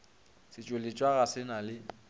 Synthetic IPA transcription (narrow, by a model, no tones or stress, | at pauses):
sɪt͡ʃʼʊlet͡ʃʼwaɣasɪnalɪ